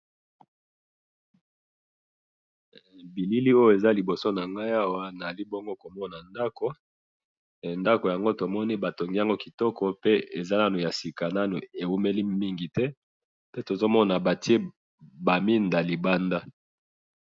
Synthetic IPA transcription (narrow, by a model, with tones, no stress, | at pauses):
bi˨li˦li˦o˦jo˨e˨za˦li˨bo˨so˦na˨ŋɡa˦ja˦wa˦na˨li˦bo˦ŋɡo˦ko˨mɔ˦na˨nda˦ko˨ | nda˦ko˨ja˨ŋɡo˦to˨mɔ˦ni˦ba˨to˨ŋɡi˦ja˦˨ŋɡo˦ki˨tɔ˦kɔ˨pe˦e˨za˦na˦nu˨ja˨si˨ka˨na˦nu˨e˨wu˦me˦li˦mi˦ŋɡi˨tɛ˦ | tɛ˦to˨zo˦mɔ˦na˨ba˨ti˦e˦ | ba˨mi˦nda˨li˨ba˦nda˦